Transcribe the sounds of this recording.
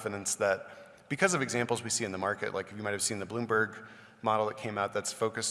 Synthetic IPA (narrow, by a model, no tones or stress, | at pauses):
fɨɾɨ̃nsðɨt̚ | b̥ɨkʰʌzʌvɨɡzæ̃mpl̩ˠzwisiɨ̃nðəmɑɹkɨ̰ʔlʔa̰ɪkɨfjɨmaɪt̚hɨv̥sĩnðɨblũmbə˞ɡ | mɑɾl̩ˠðət̚kʰẽɪ̃maʊt̪̚ðætsfoʊkɨs